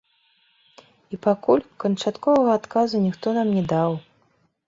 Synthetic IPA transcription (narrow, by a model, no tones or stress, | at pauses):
ipakulʲkɐnt͡ʂat̪kɔvɐɣɐːt̪kazunʲixt̪ɔnamnʲɛd̪aw